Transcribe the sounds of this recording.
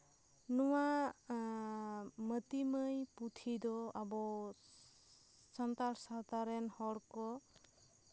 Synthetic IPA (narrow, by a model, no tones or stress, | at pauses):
nɔwa | mət̪iməjput̪ʰid̪ɔabɔ | sant̪aɾsat̪aɾɛnhɔɾkɔ